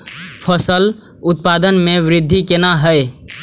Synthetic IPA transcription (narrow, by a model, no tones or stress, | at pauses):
pʰəsəl | ʊt̪̚pad̪ənmeʋɾɪd̪ʱːikenaɦə